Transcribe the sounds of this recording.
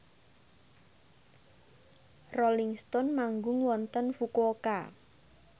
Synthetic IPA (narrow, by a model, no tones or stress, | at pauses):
roliŋst̪ɔnmaŋɡʊŋwɔnt̪ənfukoka̰